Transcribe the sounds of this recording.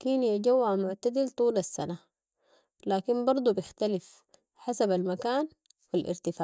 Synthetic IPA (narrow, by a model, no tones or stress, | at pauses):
kiːnjad͡ʒawːaʕmʊʕt̪ad̪ilt̪ˤuːlasːana | laːkinbɑɾˤd̪ˤubjɪxt̪alif | ħasabalmakaːn | wilʔɪ̰ɾt̪ɪfaːʔ